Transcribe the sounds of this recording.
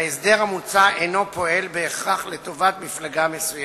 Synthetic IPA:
esd̪e̞ʁhamut͡saʔejno̞po̞e̞lbe̞ːχʁaχlet̪o̞vat̪miflaɡamesuj

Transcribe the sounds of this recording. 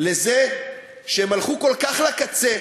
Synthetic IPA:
le̞ze | ʃeemalχuko̞lkaχlakat͡se

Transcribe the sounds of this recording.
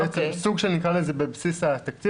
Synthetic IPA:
et͡ssuɡʃelnikʁalezebebsisat̪ak̚t̪i

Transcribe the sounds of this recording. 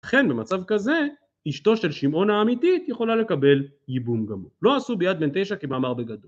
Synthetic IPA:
aχe̞nbemat͡savkaze̞ | iʃto̞ʃe̞lʃimʔo̞naːmitit̪je̞χo̞lale̞kabe̞l | jibumɡamolo̞asubejad̪̚be̞nt̪e̞jʃakimaːmaʁbe̞ɡad̪ol

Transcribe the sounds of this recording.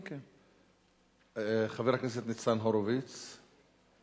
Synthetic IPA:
χaveʁhaknɛs̬et̪nit͡sanɦoɾovit͡s

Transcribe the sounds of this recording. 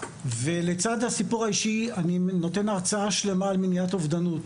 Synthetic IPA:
ve̞le̞t͡sad̪hasipuʁaiʃianino̞te̞naʁt͡saaʃle̞maːlminjatovd̪anut

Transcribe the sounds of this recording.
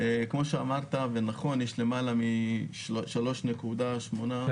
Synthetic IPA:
ekmo̞ʃeamaʁt̪avenaχo̞njɛʃle̞malami | ʃalo̞ʃne̞kud̪aʃmo̞na

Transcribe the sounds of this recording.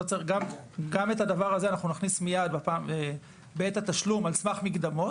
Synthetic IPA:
ot͡seʁɡamɡametadavaʁazeanaχnunaχnismijad̪̚bapaːme | beetat̪aʃlumalsmaχmiɡd̪amo

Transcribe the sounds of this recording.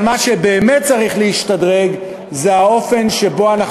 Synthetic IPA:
maʃebe̞ːme̞t̪̚t͡saʁiχleiʃtadʁe̞ɡ | zeao̞fe̞nʃe̞bo̞anaχ

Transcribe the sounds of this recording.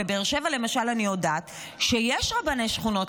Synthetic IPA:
ebeːʁʃe̞valemaʃalanio̞daːt | ʃejeʃʁabanejʃχuno̞t

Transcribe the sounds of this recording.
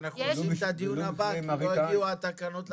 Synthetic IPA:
naχnuovimt̪ad̪ijunnabaoaviuat̪akanot̪l

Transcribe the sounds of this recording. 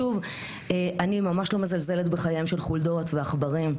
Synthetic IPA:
uv | eʔanimamaʃlo̞mezalze̞letbeχajajimʃelχuldo̞tveaχbaʁim

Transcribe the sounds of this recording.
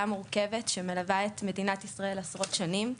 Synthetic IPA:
amuʁke̞vetʃemelavaet̪me̞dinatisʁae̞lasʁo̞tʃanim

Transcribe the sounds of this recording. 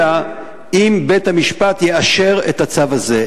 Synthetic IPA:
a | imbe̞thamiʃpat̪jeaʃe̞ʁet̪hat͡savaze

